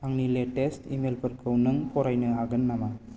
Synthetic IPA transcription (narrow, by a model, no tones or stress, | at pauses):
aŋnileʈestʰimelpʰəɾkʰɯwnɯŋpʰɔɾajnɯɦaɡɯnːama